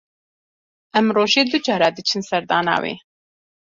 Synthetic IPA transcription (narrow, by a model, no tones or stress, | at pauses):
ʔɛmroːʒeːd̪ud͡ʒɑːɾɑːd̪ɨt͡ʃʰɨnsɛɾd̪ɑ̰ːna̰ːwḛː